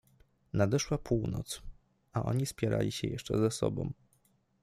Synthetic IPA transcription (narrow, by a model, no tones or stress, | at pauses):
nad̪ɛʂwapʰuwnɔ̰t̪s | aʔɔ̰ɲispʲjɛɾʔa̰lʲiɕɛjɛʂt͡ʂɛzasɔ̰bɔ̃m